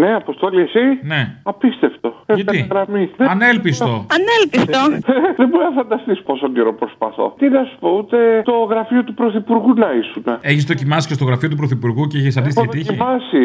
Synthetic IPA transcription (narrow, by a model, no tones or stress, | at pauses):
neɐpost̪oliesine̞ɐpist̪e̞ft̪o̞eʝɐtɐiɣɾɐmist̪eɐnelpist̪o̞ɐnelpist̪oðeboɾinɐfɐnd̪ɐst̪iso̥posoɲɟeɾopɾospɐ̰θo̞̰t̪inɐsu̥pout̪e̞t̪o̞ɣɾɐfiot̪upɾoθipuɾɣunɐisuneeçizðo̞cimɐsi̥ce̞st̪o̞ɣɾɐfio̞t̪upɾoθipuɾɣuceeçis̬ɐnd̪is̬t̪içit̪içiiɐsi